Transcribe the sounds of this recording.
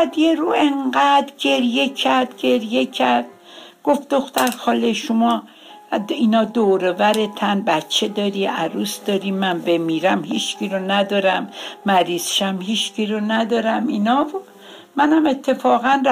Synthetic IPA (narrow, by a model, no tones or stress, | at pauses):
æd̪jeɾuːeŋɡæd̪ɟe̞ɾje̞cʰæɾd̪ɟe̞ɾje̞cʰæɾd̪̥̚ | ɡ̥ofd̪oxt̪æɾxɒːleʃomɒː | inɒːd̪oːɾevæɾe̞t̪ʰænbæt̪t͡ʃʰːe̞d̪ɒːɾiʔæɾuːsd̪ɒːɾimænbe̞miːɾæmhiːt͡ʃcʰiɾonæd̪ɒːɾæmːæɾiːz̥ʃæmhiːt͡ʃciɾonæd̪ɒːɾæminɒːbu | mænæme̞t̪ʰːe̞fɒːɣænr